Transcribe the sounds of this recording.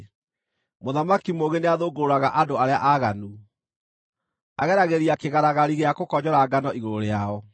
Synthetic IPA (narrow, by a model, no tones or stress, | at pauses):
moðamakimoɣeneaðoːɡoɾoɾaɣaʔadoaɾeaʔaɣanu | aɣɛɾaɣeɾiakeɣaɾaɣaɾiɣeakokɔɲɔɾaɡanɔʔiɣoɾoɾeaɔ